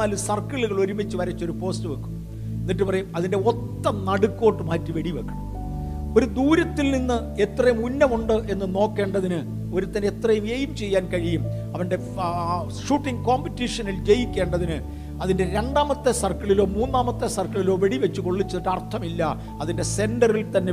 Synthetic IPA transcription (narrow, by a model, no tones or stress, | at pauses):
aːlɨsɐrkɐɭuɣɐɭo̞ɾumit͡ɕːɨʋɐɾɐt͡ɕːo̞ɾupo̞ːstɨʋɐkːu̥m | enːiʈ̬ːɨpɐrɐjumɐðinde̞ot̪ːɐmnɐɽukːo̞ːʈːɨmaːtːɨʋeɽiʋɐkːɐɳɐ | o̞ɾud̪uːɾɐt̪ːilninːɨ | e̞t̪rɐjumunːɐmuɳɖɨʔe̞nːɨno̞ːkːe̞ːɳɖɐðinɨ | o̞ɾut̪ːɐnet̪rɐjumeːjumt͡ɕe̞jːaːnkɐɻijum | ɐʋɐnɖe̞ | ʂuːʈːiŋɡkoːmpitːiʂɐnild͡ʑe̞jikʲːe̞ːɳɖɐðinɨ | ɐðinde̞ɾe̞ɳɖaːmɐt̪ːesɐrkɐɭilo̞ːmuːnːaːmɐt̪ːesɐrkɐɭilo̞ːʋeɽiʋet͡ɕːuko̞ɭːit͡ɕːɐðiʈːɐrt̪ʰɐmilːɐ | ɐðinde̞se̞ndɐrilt̪ɐnːe̞